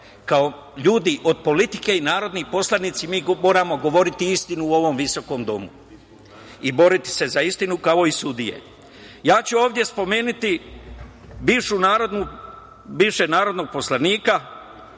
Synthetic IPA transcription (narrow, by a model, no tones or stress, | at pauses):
kao̞ | ʎuːd̪iʔo̞d̪̚po̞lit̪i̥ke̞inaːɾo̞d̪nipo̞slˠanit̪simiːmo̞ːɾamo̞ɡo̞ʋo̞ɾit̪iist̪inuːo̞ʋo̞mʋiso̞ko̞md̪o̞̰mu | ibo̞ɾit̪i̥se̞zaist̪inukao̞isud̪ije̞̰ | jaːt͡ɕuo̞ːʋd̪je̞spo̞me̞ːnit̪i | biːʋʃunaːɾod̪nu | biːʋʃenaːɾo̞d̪no̞ɡ̚po̞slaniːka